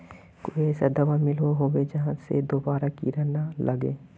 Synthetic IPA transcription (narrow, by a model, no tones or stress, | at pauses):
koːiɛːsad̪ɐʋamɪlʋoɦoːwed͡ʒɐɦãsḛd̪oːbaːɾakḭɾɛɦnalʔɐɡeː